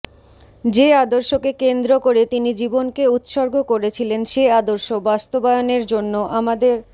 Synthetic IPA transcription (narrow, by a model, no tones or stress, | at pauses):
d͡ʑead̪oɾʃokekend̪ɾokoɾet̪inid͡ʑibonkeut̪ʃoɾɡʱokoɾet͡ɕʰilenʃead̪oɾʃobast̪obajoneɾd͡ʑonːoʔamad̪eɾ